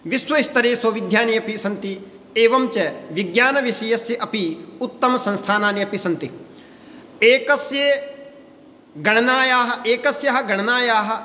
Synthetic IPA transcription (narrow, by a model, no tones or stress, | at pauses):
ʋisʋɐist̪ɐɾeːsɐʋɪd̪ʱjaːnijɐpisɐnt̪i | eːʋɐmt͡ʃɐʋɪɡjaːnɐʋɪʃɐjɐsjɐʔɐpiʊt̪ːɐmɐsɐ̃nst̪ʰaːnaːnijɐpisɐnt̪i | eːkɐsje | ɡɐɳ̃ɐnaːjaːɦɐ̆eːkɐsjɐɦɐ̆ɡɐɳ̃ɐnaːjaːɦɐ̆